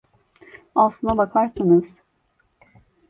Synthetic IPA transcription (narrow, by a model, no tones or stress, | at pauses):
asˠɯnd̪abak̪ʰˠaɾsɯnɯz̥